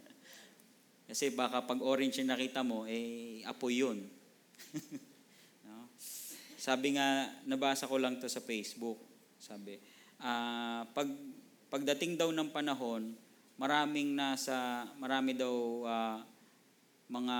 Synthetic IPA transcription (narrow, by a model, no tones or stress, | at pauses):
kɐsɛbaːkɐpɐɡʔoːɾɛnt͡ʃɐŋnɐkiːt̪ɐmo̞ʔɛjʔɐ̰pojːon | no | saːbɪŋanɐbaːsɐko̞lɐŋt̪o̞sɐfejsbʊk̚ | saːbɪ | ʔaːpɐɡ̚ | pɐɡ̚d̪ɐt̪ɪŋd̪ɐwnɐŋpɐnɐɦo̞n | mɐɾaːmɪŋnaːsɐmɐɾaːmɪd̪awa | mɐŋa